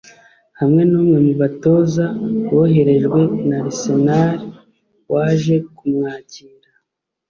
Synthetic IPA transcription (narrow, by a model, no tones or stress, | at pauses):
hamŋe̞nuːmŋe̞muβato̞ːzawoɦe̞ɾe̞ʒɡwe̞naɾisenaɾi | waːʒe̞kumŋaːciːnda